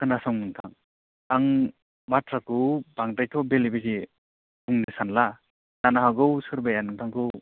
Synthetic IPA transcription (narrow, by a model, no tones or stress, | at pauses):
kɯnasɔŋnɯŋtʰaŋ | aŋ | matɾakɯwbaŋtajtʰɔbelibezi | buŋnisanla | danaɦaɡɯwsɯɾbajanɯŋtʰaŋkɯw